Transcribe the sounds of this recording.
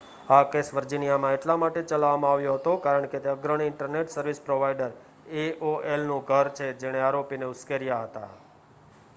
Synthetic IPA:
akesʋəɾd͡ʒinijamãeʈlamaʈet͡ʃəlaʋamãaʋjoɦət̪okaɾəɳket̪eəɡɾəɽ̃iɪɳʈəɾneʈsəɾʋispɾoʋajɖəɾ | eoʔelnũɡʱəɾt͡ʃʰed͡ʒeɽ̃eaɾopineʊskeɾijaɦət̪a̰

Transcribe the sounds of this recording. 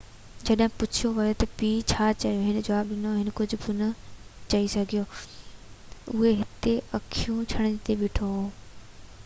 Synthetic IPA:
d͡ʑɐɗɦɪ̃pʊt͡ɕʰijoʋɐjot̪ɐpiːt͡ɕʰaːt͡ɕɐijoɦɪnə̆d͡ʑɐʋaːbɗɪnoɦɪnə̆kʊd͡ʑʱʊ̆bʊnɐt͡ɕɐisɐɡʱijo | ʊɦeɦɪt̪eʔɐkʰijũt͡ɕʰɐɽ̃t̪eʋɪʈʰo

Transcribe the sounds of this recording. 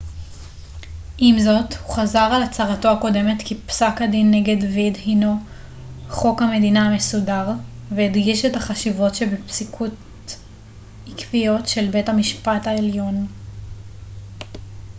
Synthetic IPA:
ʔimzo̞thuχazaʁalat͡saʁato̞ako̞de̞metkipsakhadinːe̞ɡe̞dvidhino | χo̞khame̞dinaame̞sudaʁveidɡiʃethaχaʃivo̞tʃebepsikʰut | ikvijo̞tʃe̞lbe̞thamiʃpathaeljo̞n

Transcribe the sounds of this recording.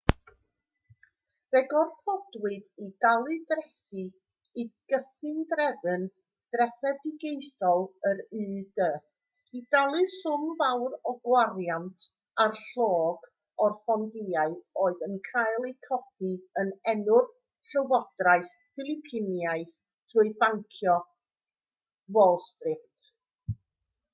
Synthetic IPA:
vɛɡɔrθɔdwɨdidalˠɨdrɛsi | iɡ̥əθɨndrɛðɨn | d̥rɛfɛdɪɡejθɔlˠəɾɨːdə | idalˠɨsʊmvawrɔɡwarjantʰ | arɬoːɡ | ɔrfɔndɪaɨoːɨðənkʰajlˠejkʰɔd̥iənɛnʊr | ɬəwɔd̥rajθ | fɪlˠɪpʰɪnjajθ | tʰruːɨbaŋkʰjɔ | wɛlˠstrɪkt

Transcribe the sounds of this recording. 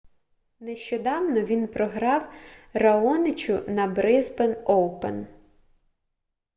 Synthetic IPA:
neʃt͡ʃɔd̪ɑwnɔʋʲinpɾɔɦɾɑwrɐɔnɪt͡ʃʲʊnɐbɾɪzbenɔwpḛn

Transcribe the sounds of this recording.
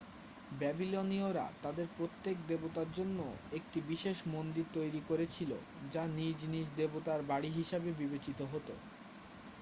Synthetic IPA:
bɛbilonioɾa̰t̪ad̪eɾpɾot̪ːek̚d̪ebot̪aɾd͡ʑonːoek̚ʈibiʃeʃmond̪iɾt̪ojɾikoɾet͡ɕʰilo̰ | d͡ʑanid͡ʑnid͡ʑd̪ebot̪aɾbaɽiɦiʃabebibet͡ɕit̪oɦot̪o̰

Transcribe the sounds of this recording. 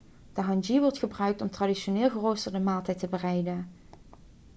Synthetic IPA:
d̥əɦɑnd͡ʒiʋɔɹtχəbrœɥk̚tɔmtradiʃonɪːlˠɣərowsəɹdəmaːlˠtɛjtəbərɛjdən

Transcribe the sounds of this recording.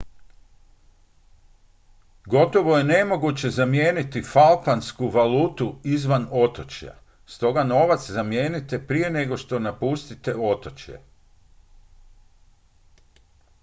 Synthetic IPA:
ɡo̞t̪o̞ʋo̞je̞ne̞mo̞ɡut͡ɕe̞zamje̞ːnit̪ifalˠpanskuʋaluːt̪uizʋano̞t̪o̞t͡ɕja̰ | st̪o̞ɡano̞ʋat̪szamjeːnit̪e̞pɾije̞ne̞ɡo̞ʃt̪o̞napust̪it̪e̞o̞t̪o̞t͡ɕjḛ

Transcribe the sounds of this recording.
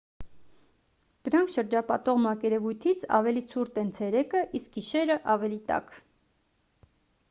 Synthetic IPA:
d̪̥əɾɑŋkʰʃəɾd͡ʒɑpɑt̪ɔʁmɑkɛɾɛvujt̪ʰit͡sʰɑ̰vɛlit͡sʰuɾt̪ɛnt͡sʰɛɾɛkəʔisk̚ɡiʃɛɾəʔɑvɛlit̪ɑ̰k

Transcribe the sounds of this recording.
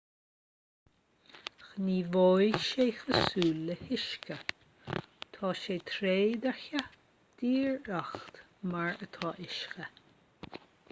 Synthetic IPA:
xəniːvojʃeːxəsuːlːəhɪʃkə | t̪ʰɑːʃeːt̪ʰɾeːd̪ɛɹçə | d̪̥iːɹaxt̪ | maɹət̪ʰɑːʔɪʃxə

